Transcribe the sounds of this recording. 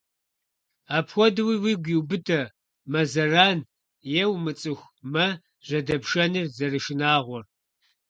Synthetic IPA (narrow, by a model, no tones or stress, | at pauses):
aːpʰxʷɔdɨwiːwiːɡʷiwbɨtʰɐ | mɐzɐraːn | jɛwmɨt͡sʼɨxʷ | mɐ | ʒ̥ɐdɐpʃɐnɨrzɐrɨʃɪnaːʁʷɔr